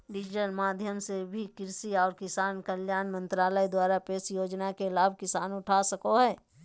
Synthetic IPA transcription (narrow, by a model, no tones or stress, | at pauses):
ɖɪd͡ʒɪʈəlmaːd̪ʱjəmsebʱikɪɾsiɔːɾkɪsaːnkəljaːnmə̃nt̪ɾaːləid̪waːɾapeːsjoːd͡ʒnakelaːb̚ʱkɪsaːnʊʈʰasəkoɦɛː